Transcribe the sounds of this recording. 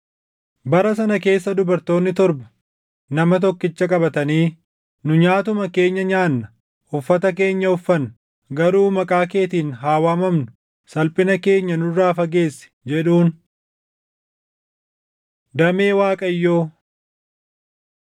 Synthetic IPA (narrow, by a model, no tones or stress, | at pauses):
bɐɾɐs̬ɐnɐke̞ːsːɐd̪ʊbɐɾt̪o̞ːnːɪt̪ɔɾbɐ̥ | nɐmɐt̪̬ɔkːɪt͡ʃːɐkʼɐbɐt̪ɐniː | nʊɲaːt̪ʊmɐke̞ːɲːɐɲaːnːɐ | ʊfːɐt̪ɐk̬e̞ːɲːɐʊfːɐn | ɡɐɾuːmɐkʼaːke̞ːt̪iːnɦaːwaːmɐmnʊ | sɐlpʼɪnɐke̞ːɲːɐnʊrːaːfɐɡe̞ːsːɛ̥d͡ʒɛᶑuːn | d̪ɐme̞ːwaːkʼɐjːoː